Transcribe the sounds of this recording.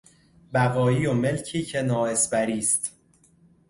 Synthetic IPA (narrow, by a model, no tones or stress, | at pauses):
bæɣɒːiːome̞lcʰiːcʰe̞nɒːesbæɾiːst̪